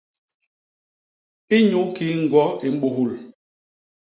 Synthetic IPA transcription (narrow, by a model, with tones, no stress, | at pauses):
i˦ɲu˨˦ki˨˦ŋ̩˨ɡwɔ˦i˨m̩˦ɓu˦ɦu˦˨l